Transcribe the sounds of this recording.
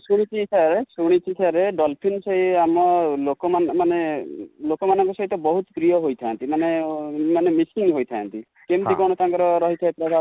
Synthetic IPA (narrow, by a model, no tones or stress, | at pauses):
suɽ̃it͡ʃʰisaɾesuɽ̃it͡ʃʰisaɾeɖɔlpʰinsɔɦiamɔlokɔmanmanelokɔmanɔ̃ŋkusɔɦit̪ɔbɔɦut̪pɾijɔɦojt̪ʰãːnt̪imanemanemisiŋɦojt̪ʰa̰nt̪i | kemt̪ikɔɽ̃ɔt̪aŋkɔɾɔɾɔɦit̪ʰajt̪ɾɔbʱa